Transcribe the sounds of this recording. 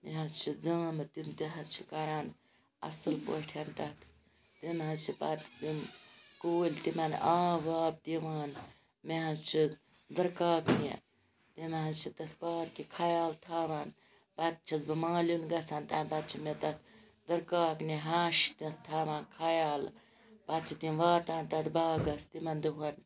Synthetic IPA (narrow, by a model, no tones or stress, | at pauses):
meɦɐst͡ʃʰid͡zaːmɨt̪imt̪iɦɐst͡ʃʰi̥kaɾaːn | ɐ̰sɨlpo̰ʈʰent̪ɐt̪ʰ | t̪imɦɐzt͡ʃʰipat̪d̪imkoːlʲt̪imanaːʋaːb̚t̪iʋaːn | meɦɐst͡ʃʰi | d̪ɐɾkaːkniḛ | t̪imeɦɐ̃zt͡ʃʰit̪ɐt̪ʰbaːɾkikʰaːjaːlt̪ʰaːʋaːn | pɐt̪̚t͡ʃʰɐzbɐmaːlunɡɐt͡sʰant̪ɐnpɐt̪t͡ʃʰimet̪ɐt̪ʰ | d̪ɐɾkaːkniɦaːʃt̪it̪t̪ʰaːʋaːnkʰajaːl | pɐt̪t͡ʃʰid̪imʋaːt̪aːnt̪ɐt̪baːɡɐst̪imɐnd̪uɦɐn